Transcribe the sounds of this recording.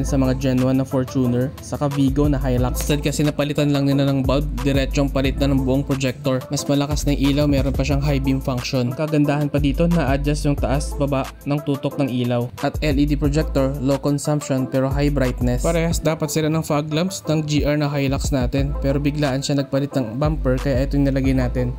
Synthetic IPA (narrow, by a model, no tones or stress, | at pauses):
nsɐmɐŋad͡ʒɛnuwɐnɐfoɹt͡ʃuːnɛɹsɐkɐviːɡonɐɦajlakst̪ɐd̪̚kɐsɛnɐpɐlɪt̪anlɐŋnɪlanɐŋbɐb̪̚d̪ɪɾɛt͡ʃoŋpɐlɪt̪̚nɐnɐŋbʊʔoŋpɾod͡ʒɛk̚t̪o̞ɹmɐsmɐlɐkasnɐŋʔiːlɐwmɛːɾo̞npɐʃaŋɦajbɪŋfaŋkʃo̞nkɐɡɐnd̪aːhɐnpɐd̪iːt̪o̞nɐʔad͡ʒɐsjʊŋt̪ɐʔasbɐbaʔnɐŋt̪uːt̪o̞k̚nɐŋʔiːlɐwʔɐt̪ʔɛlid̪ipɹod͡ʒɛk̚t̪oɹlokonsɐmpʃo̞npɛːɾo̞ɦajbɾajt̪̚nɛspɐɾɛːhɐsd̪aːpɐt̪̚sɪlanɐŋfaaɡlɐmpsnɐŋd͡ʒiːʔɐɹnɐɦajlɐksnaːt̪ɛnpɛːɾobɪɡlaːʔɐnʃanɐɡ̚pɐlɪt̪̚nɐŋbampɛɹkɐjaʔɛt̪ojŋnɐlɐɡɐjnaːt̪ɪn